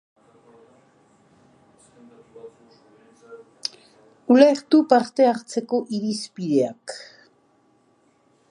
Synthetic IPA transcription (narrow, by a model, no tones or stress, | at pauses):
ulejχt̪upaɾt̪eaqt͡sekoʔiɾispiɾeak